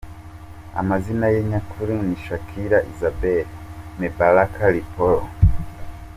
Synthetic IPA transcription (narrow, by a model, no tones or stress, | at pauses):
a̰mazinajeɲakʰuɾiniʃakʰiɾaʔizabemebalakʰalipolo